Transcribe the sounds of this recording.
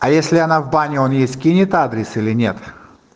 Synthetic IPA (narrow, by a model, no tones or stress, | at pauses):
ɐjesʲlʲɪanavbanʲɪo̞njesʲt̪ʲkʲinʲɪt̪ad̪ɾʲɪsilʲɪnʲe̞t̪